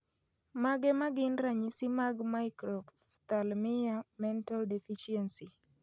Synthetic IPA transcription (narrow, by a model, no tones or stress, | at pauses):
maɡɛmaɡɪnɾaɲisimaɡmaɪkɾɔ | t̪almɪjamɛntaldɛfiʃiɛnsi